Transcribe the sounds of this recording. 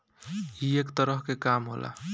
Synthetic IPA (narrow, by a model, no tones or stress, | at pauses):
iekt̪əɾəɦkekamɦo̰lʔa̰